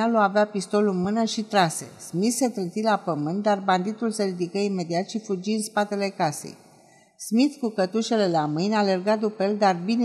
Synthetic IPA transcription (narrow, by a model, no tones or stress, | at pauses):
aloaveapist̪o̞lunmɨnəʃit̪ɾase̞̰smit̪set̪ɾɨnt̪ilapəmɨnt̪̚d̪arband̪it̪ulseɾid̪ikəime̞d̪iat̪ʃifud͡ʒiɨnspat̪e̞le̞kase̞̰j | smit̪kukət̪uʃe̞le̞lamɨjnʲale̞rɡad̪upəeld̪arbin